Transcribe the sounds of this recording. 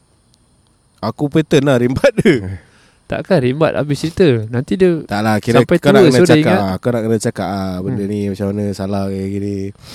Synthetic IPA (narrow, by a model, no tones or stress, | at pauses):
akupet̪ənaɾimbat̪̚də | t̪a̰ʔkaɾimba̰t̪̚a̰bɪst͡ʃɾit̪ənant̪idət̪aʔlakiɾasampajtkanaəknaudt͡ʃaaikaaakunaʔkənət͡ʃakaʔabəndənimat͡ʃamanəsalahɡaɡiɾi